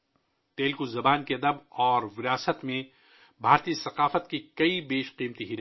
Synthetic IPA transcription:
t̪eːlkuzɐbaːnkiɐd̪əbɔːɾʋɪɾaːsət̪mẽ | bʱaːɾt̪isɐqaːfət̪kikɐibeːʃqiːmt̪iɦiɾ

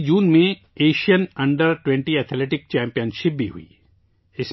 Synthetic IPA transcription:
d͡ʒuːnmẽ | eːʃijənɐ̃ɳɖəɾʈwɛ̃ɳʈiɛːt̪ʰleːʈɪk̚t͡ʃɛ̃ːmpijənʃɪp̚bʱiɦṵḭː | ɪs

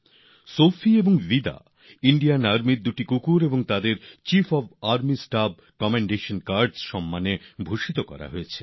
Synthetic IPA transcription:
sofʰieboŋvid̪a̰ | iɳɖijanaɾmiɾd̪uʈikukuɾeboŋt̪ad̪eɾt͡ɕifʰɔbaɾmisʈab̚ | kɔmeɳɖeʃonkaɾɖsʃɔmːanebʱuʃit̪okɔ̰ɾa̰ɦoet͡ɕʰe

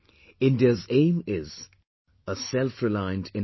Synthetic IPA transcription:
ɪ̃ndiəzẽɪ̃mɪz | əsɛlˠfɹɪlãɪ̃ndɪ̃n

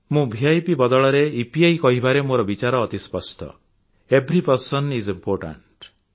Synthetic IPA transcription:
mũbʱiajpibɔd̪ɔɭɔɾeipiajkɔɦibaɾemoɾɔbit͡ʃaɾɔːt̪ispɔsʈʰɔ̰ | ebɾipɔɾsɔnɖizimpoɾʈa̰ɳʈ

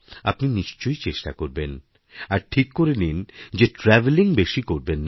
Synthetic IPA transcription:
apniniʃt͡ɕojt͡ɕeʃʈakoɾben | aɾʈʰikːoɾenind͡ʑeʈɾɛveliŋbeʃikoɾbenː

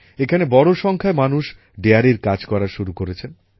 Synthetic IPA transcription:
ekʰanebɔɽoʃɔŋkʰaemanuʃ | ɖeaɾiɾkad͡ʑkɔɾaʃuɾukoɾet͡ɕʰen

